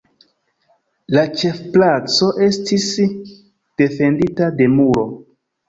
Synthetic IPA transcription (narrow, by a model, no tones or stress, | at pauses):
lat͡ʃe̞fplat͡so̞ʔe̞stis | d̥e̞fe̞nditade̞muɾo̞